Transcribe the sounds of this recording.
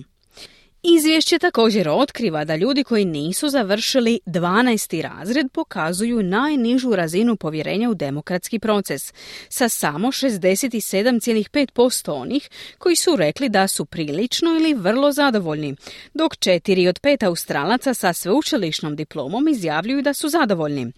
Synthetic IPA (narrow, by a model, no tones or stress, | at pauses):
izʋjeʃt͡ɕe̞t̪ako̞ːd͡ʑe̞ɾo̞t̪kɾiʋad̪aʎuːd̪iko̞jiniːsuzaʋr̩ʃilid̪ʋaːnaest̪iɾa̰ːzɾe̞d̪̚po̞kazujunajniʒuɾazinupo̞ʋje̞ɾe̞̰ːɲaud̪e̞mo̞kɾat̪skipɾo̞t̪se̞sːasamo̞ʃe̞zd̪e̞set̪ise̞d̪amt̪sjelixpe̞ːt̪̚po̞st̪o̞o̞̰nʔixko̞jisuɾe̞klid̪asupɾiːlit͡ʃno̞iliʋr̩lˠo̞zad̪o̞ʋo̞ʎnid̪o̞kt͡ʃe̞t̪iɾio̞d̪pe̞ːt̪aust̪ɾa̰ːlat̪sasasʋeut͡ʃiliʃnomd̪iplˠo̞̰ːmo̞mizjaːʋʎujud̪asuzad̪o̞ʋo̞ʎnḭ